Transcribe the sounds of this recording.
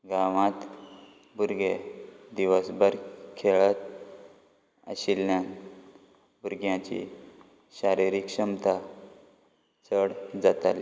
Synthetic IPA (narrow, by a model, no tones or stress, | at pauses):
ɡaʋãt̪ | buɾɡed̪iʋəsbəɾkʰeɭət̪ | ə̰ɕilːjãn | buɾɡjãt͡ɕḭ | ɕaɾiɾikɕəmt̪ʰa | t͡səɽd͡zat̪a̰li